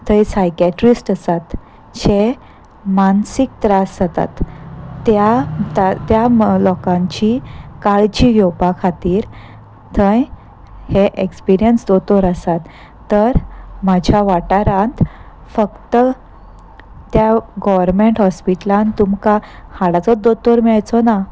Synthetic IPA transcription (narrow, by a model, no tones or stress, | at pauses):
t̪ʰə̃jsajkjɛʈɾisʈəsat̪ | ɕe | mansik̚t̪ɾasd͡zət̪a̰t̪ː | jat̪at̪jalɔkãɲt͡ɕikaɭt͡ɕijowpakʰat̪iːɾ | t̪ʰə̃j | heʔekspiɾijənsd̪ot̪oɾəsat̪ː | əɾmad͡ʑʱjaʋaʈaɾãnt̪ | fəkt̪ə | t̪jaɡɔʋəɾmeɳʈɦɔspiʈlãnt̪umkahaɽat͡sɔd̪ot̪oɾmiɭajt͡sɔna